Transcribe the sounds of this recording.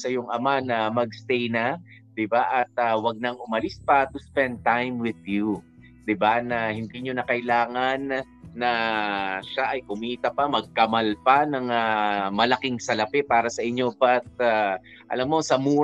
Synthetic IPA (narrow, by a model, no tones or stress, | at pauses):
sɐjʊŋʔɐmanɐmɐɡst̪ɛjnɐ | d̪̥ɪbaʔɐt̪̚ɐwɐɡ̚nɐŋʔʊmɐlispɐt̪uspɛnd̪̚t̪ajmwɪd̪ju | d̪̥ɪbanɐhɪnd̪iɲonɐkɐʔɪlaːŋɐnː | ɐ | ʃaʔɐjkʊmiːt̪ɐpɐmɐɡ̚kɐmɐlpɐnɐŋamɐlɐkɪŋsɐlɐpɛpaːɾɐsɐʔɪɲːo̞pɐt̪̚a | ʔɐ̰lamːo̞sɐmuː